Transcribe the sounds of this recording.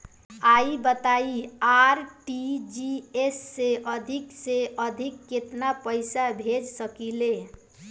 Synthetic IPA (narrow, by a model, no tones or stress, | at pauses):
aibət̪aiaɾʈid͡ʒiesːeʔəd̪ʱikseʔəd̪ʱikːet̪napəɪsabʱed͡ʒsəkile